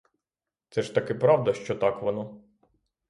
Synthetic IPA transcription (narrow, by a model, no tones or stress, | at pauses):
t̪sɛʃt̪ɐkɛpɾɑwd̪ɐʃt͡ʃɔt̪ɑkʋɔnɔ